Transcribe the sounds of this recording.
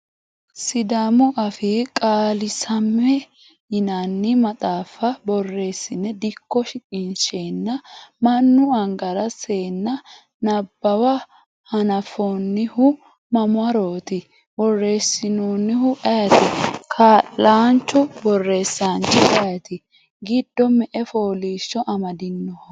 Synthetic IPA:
sɪd̪amʊʔɐfɪkʼaːlɪsɐmːɛ | ɪnanːɪmɐt̪ʼaːfɐbɔrːe̞ːsːɪnːɛd̪ɪkːɔʃɪkʼɪnʃeːnːɐmɐnːʊɐŋɡɐɾɐse̞ːnːɐ | nɐbːɐwɐ | hɐnɐfoːnːɪhʊ | mɐmʊɐɾoːt̪ɪ | bɔrːe̞ːsːɪnoːnːɪhʊʔɐjɐt̪ɪkʰaːlːaːnt͡ʃːʊbɔrːe̞ːsːaːnt͡ʃːɪʔɐjɐt̪ɪ | ɡɪd̪ːɔmɛʔɛfoːliːʃːɔʔɐmɐd̪ɪnːɔh

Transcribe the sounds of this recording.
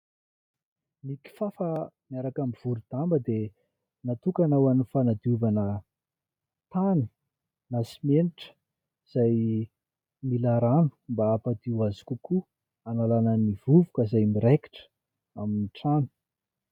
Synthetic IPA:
miki̥fafəmiaɾakamiv̥uɾud̪̥ambəd̪e | nat̪ukanawanifanad̪iuvanə | t̪ani̥ | nasimeniʈ͡ʂə̥ | z̥aj | milaɾanu̥mbaapad̪iwazi̥kuku | analanənivuvukəzajmiɾeki̥ʈ͡ʂə̥ | aminiʈ͡ʂanu̥

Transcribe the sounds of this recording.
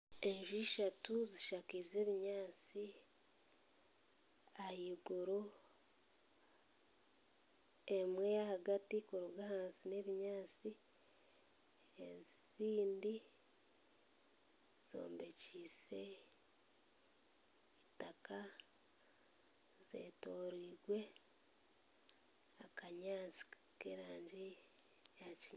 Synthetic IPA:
e̞ɲʒiʃatuziʃakize̞ːβiɲaːt͡si | ahiːɡuɾo | emwe̞jahaɡatikoɾuɡahaːnsine̞βiɲaːt͡si | eziziːndi | z̥o̞̰ːmbe̞ciːse̞ | itaka | z̥ḛːto̞ːɾiːɡwe̞ | akaɲaːt͡si̥ | keɾaːɲɟi | jaciɲ

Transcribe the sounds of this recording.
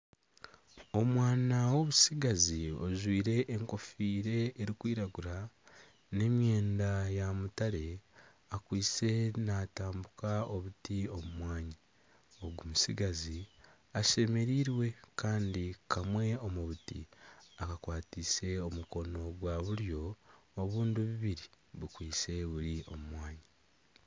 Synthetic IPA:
o̞mwaːnawo̞βusiɡazio̰zwiːɾe̞ʔːŋko̞fiːɾe̞ːɾikwiːɾaɡuɾa | ne̞mje̞ːndajamutaɾe̞ | akwiːt͡se̞naːtaːmbukao̞βutio̞mumwaːɲi | oɡumusiɡazi | aʃe̞me̞ɾiːɾwe̞kaːndikamwe̞o̞muβutḭakakwaːtise̞o̞muko̞no̞ɡwaβuɾjo̞ːβuːnduβiβiɾi | βukwiːse̞βuɾiʔo̞̰mumwaːɲi

